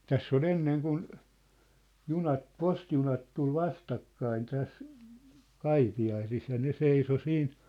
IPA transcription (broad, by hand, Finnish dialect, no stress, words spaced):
tæsː ol enːeŋ kun junɑt postijunɑt tul ʋɑstɑkːɑin tæs kɑipiɑisis jɑ ne seiso siːn